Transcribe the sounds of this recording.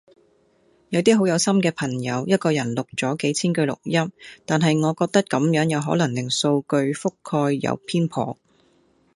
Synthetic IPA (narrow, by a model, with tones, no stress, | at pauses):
jɐ˨˧wt̪̬iː˥ɦo˨˥wjɐ˨˧wsɐ˥mkɛː˧pʰɐ˨˩ŋjɐ˨˧wjɐ˥t̚kɔː˧jɐ˨˩nlʊ˨k̚t͡sɔː˨˥ke˨˥jt͡sʰiː˥nkɵ˧ɥlʊ̰˨k̚jɐ˥mt̪aː˨nɦɐ˨jŋɔː˨˧kɔː˧k̚t̪ɐ˥kɐ˨˥mjœː˨˥ŋjɐ˨˧wɦɔː˨˥lɐ˨˩ŋlɪ˨˩ŋso˧wkɵ˧ɥfʊ˥kʰːɔː˧jːɐ̰˨˧wpʰiː˥npʰɔ̰ː˨˧